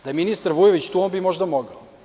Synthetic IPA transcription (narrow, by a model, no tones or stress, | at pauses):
d̪ajeminist̪aɾʋujeʋit͡ɕt̪uːonbimo̞ʒd̪amoɡao